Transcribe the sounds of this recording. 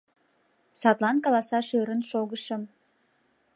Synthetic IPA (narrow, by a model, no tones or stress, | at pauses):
sɑt̪lˠɑnkɑlˠɑsɑʃøɾənʃoɣəʃəm